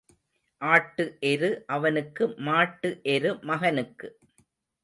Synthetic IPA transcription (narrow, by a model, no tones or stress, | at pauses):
ʔaːʈːɯʔɛɾɯʔɐʋɐnɯkːɯmaːʈːɯʔɛɾɯmɐɣɐnɯkːɯ